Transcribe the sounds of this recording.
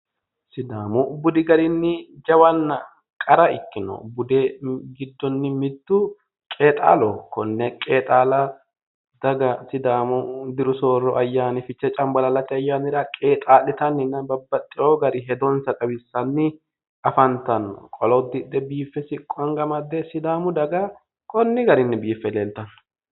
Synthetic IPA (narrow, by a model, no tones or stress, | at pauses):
sɪd̪aːmʊbʊd̪ɪɡɐɾɪnːɪd͡ʒɐwɐnːɐ | kʼɐɾɐɪkːɪnɔ̰bʊd̪eɡɪd̪ːɔnːɪmɪd̪ːʊ | kʼe̞ːt̪ʼa̰ːlɔkɔnːɛkʼeːt̪ʼaːlɐ | d̪ɐɡɐsɪd̪aːmʊd̪ɪɾʊso̞ːrɔʔɐjːaːnɪfɪt͡ʃːɛt͡ʃʼɐmbɐlɐlɐt̪ːɪɐjːaːnɪɾɐkʼe̞ːt̪ʼaːlːɪt̪ɐnːɪnːɐbɐbːɐt̪ʼːɪʔoɡɐɾɪɦɛd̪ɔnsɐt̪ʼɐwɪsːɐnːɪ | ɐfɐnt̪ɐnːɔ̰kʼɔlɔd̪ːɪd̪ːɛbiːfːɛsɪkʼːɐŋɡɐmɐd̪ːɛsɪd̪aːmʊd̪ɐɡɐ | kɔnːɪɡɐɾɪnːɪbiːfːɛleːlt̪ɐnːɔ̥